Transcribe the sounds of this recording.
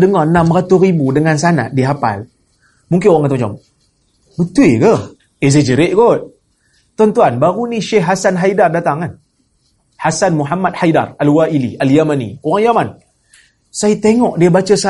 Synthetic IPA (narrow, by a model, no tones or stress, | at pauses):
dəŋanãmrat̪uribudəŋansana̰ʔdiɦapa̰l | muŋk̬ɪnoɣaŋat̪umd͡ʒa̰m | bət̪uekəh | ezed͡ʒəɾeʔ̚ɡot̪̚ | t̪ɔnt̪uanbaɾuniʃɛɦɦasanɦajdardat̪aŋan | hasanmuɦamat̪̚hajda̰ralwaʔilḭʔaljamanḭoɣaŋjaman | sajit̪eŋɔʔdiəbat͡ʃəsa